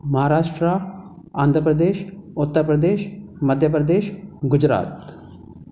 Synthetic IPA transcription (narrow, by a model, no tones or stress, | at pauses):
mɐɦaːɾaːʃʈɾa | aːnd̪ʱɾəpɾəd̪eːʃʊt̪ːəɾpɾəd̪eːʃmɐd̪ʱjəpɾɐd̪eːʃɡʊd͡ʒɾa̰ːt̪